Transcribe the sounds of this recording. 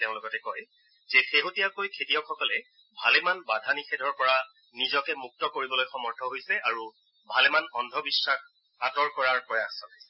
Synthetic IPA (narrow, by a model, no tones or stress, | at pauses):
teʊ̃lʊɡɔtɛkɔj | zɛxeɦotijakojkʰetijɔkxʰɔkɔlɛ | bʱalɛmanbadʱanixɛdʱɔɹpɔɹa | nizɔkɛmuk̚tɔkoɹibɔlojxɔmɔɹdʱɔɦojsɛʔaɹu | bʱalɛmanɔndʱɔbisːax | atɔɹkɔɹaɹpɹɔjaxsɔnajsɛ̥